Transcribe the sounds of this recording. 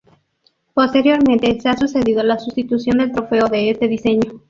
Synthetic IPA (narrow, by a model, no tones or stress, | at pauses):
po̞st̪eɾjo̞ɾmẽ̞nt̪e̞seasuse̞ðiðolasust̪it̪usjo̞nd̪e̞lt̪ɾo̞fe̞oðe̞est̪e̞ðise̞ɲo̞